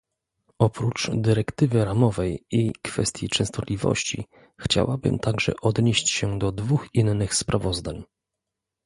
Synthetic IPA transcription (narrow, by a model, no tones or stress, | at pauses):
ɔpɾut͡ʂd̪ɘɾɛkt̪ɘvɘɾamɔvɛjikfɛ̰st̪ʲjit͡ʂɛ̃w̃st̪ɔt̪lʲivɔ̰ɕt͡ɕḭ | xt͡ɕa̰wabɘ̰mt̪aɡʐɛ̰ʔɔd̪ɲeɕt͡ɕɕɛd̪ɔd̪vuxinːɘxspɾʔavɔzd̪aɲ